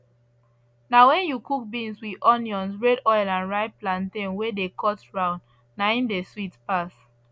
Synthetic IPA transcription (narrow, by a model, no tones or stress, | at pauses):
nawɛ̃njukuk̚bĩnswiʔɔnjɔ̃nsɹɛdɔjlãnɹaɪplãntẽnwedekʰɔtɹãʊ̃nd | naĩndeswitpas